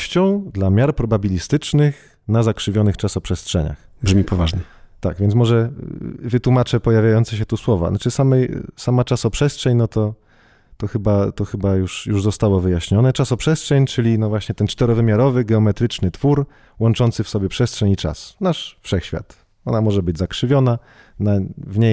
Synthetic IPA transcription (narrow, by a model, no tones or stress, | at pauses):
ɕt͡ɕɔ̃w̃d̪lamʲjaɾpɾɔbabʲilʲist̪ɘt͡ʂnɘx | nazakʂɘvʲjɔnɘxt͡ʂasɔpʂɛstʂɛ̰ɲa̰x | bʐmʲipɔvaʐɲɛt̪a̰ɡvʲjɛnt̪mɔʐɛvɘt̪wumat͡ʂɛpɔjavʲjajɔnt̪sɛɕ̬ɛt̪uswɔva̰nat͡ʂɘsamɛjsamat͡ʂasɔpʂɛstʂɛɲnɔt̪ɔ | t̪ɔxɘbat̪ɔxɘbajuʂjuʐzɔst̪awɔvɘjaɕɲɔnɛt͡ʂasɔpʂɛstʂɛɲt͡ʂɘlʲinɔvwaɕɲɛt̪ɛnt͡ʂt̪ɛɾɔvɘmʲjaɾɔvɘɡɛɔmɛt̪ɾɘt͡ʂnɘt̪fuɾ | wɔnt͡ʂɔnt̪sɘfsɔbʲjɛpʂɛstʂɛɲit͡ʂa̰snaʂfʂɛxɕfʲja̰t̪ | ɔnamɔʐɛbɘd͡ʑzakʂɘvʲjɔna | navɲe